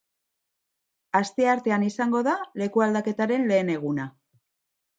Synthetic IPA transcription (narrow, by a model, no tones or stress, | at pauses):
ast̪e̞aɾt̪e̞anisaŋɡo̞ðale̞kuald̪ake̞t̪aɾe̞nle̞ːne̞ɣ̞una